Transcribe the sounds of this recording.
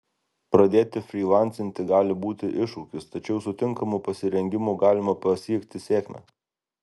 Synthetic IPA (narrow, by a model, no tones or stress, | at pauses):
pɾɐd̪ʲeːt̪ʲɪfʲɾʲiːlˠɑˑnʲt̪sʲɪnʲt̪ʲɪɡɑːlʲɪbuːt̪ʲɪʔɪʃukʲɪst̪ɐt͡ʃʲɛʊsʊt̪ʲɪŋkɐmupɐsʲɪɾʲɛŋʲɡʲɪmuɡɑːlʲɪmɐpɐsʲiɛkt̪ʲɪsʲeːkmʲɛ̰